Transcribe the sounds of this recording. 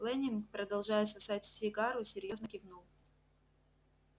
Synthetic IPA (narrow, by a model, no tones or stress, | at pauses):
lˠɛnʲɪnkpɾəd̪ɐlˠʐajɪt̪sɐsatʲsʲɪɡaɾʊsʲɪɾʲjo̞znəkʲɪvnulˠ